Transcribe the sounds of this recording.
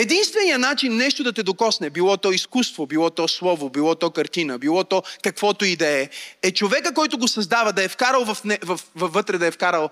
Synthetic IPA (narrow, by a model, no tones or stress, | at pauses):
ɛd̪inst̪vɛnijənat͡ʃinːɛʃt̪od̪ɐt̪ɛd̪okɔsnɛbilˠɔt̪ɔiskust̪vobilˠɔt̪ɔslˠɔvobilˠɔt̪ɔkɐɾt̪inəbilˠɔt̪ɔkɐkvɔt̪ʊid̪ɛɛɛt͡ʃovɛkəkɔjt̪ʊɡosɐzd̪avɐd̪ɐɛfkaɾəlˠvɐfnɛvɐfvɐfvːɤt̪ɾɛd̪ɐɛfkaɾəlˠ